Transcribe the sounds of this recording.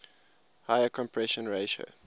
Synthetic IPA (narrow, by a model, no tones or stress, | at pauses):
haɪəkʰɔ̃mpʰɹɛʃə̃nɹeɪʃo̰